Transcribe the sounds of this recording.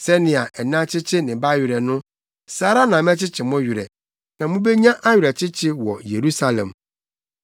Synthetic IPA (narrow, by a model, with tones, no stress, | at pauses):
sɛ˦nɪ̃˨a˨ʔɛ˨nã˦t͡ɕʰɪ˦t͡ɕʰɪ˦nɪ̃˨ba˦ɥɪ˨ɾɛ˨nʊ̃˦ | saː˨˦ɾa˦nã˨m˦ɛ̃˦t͡ɕʰɪ˦t͡ɕʰɪ˨mɔ̃˦ɥɪ˨ɾɛ̰˨ | nã˨mʊ̃˦be˦ɲã˦ʔa˦ɥᶣɪ˨ɾɛ˨t͡ɕʰɪ˦t͡ɕʰɪ˦wɔ˨je˨ɾu˦sa˦lɛ̰̃˨m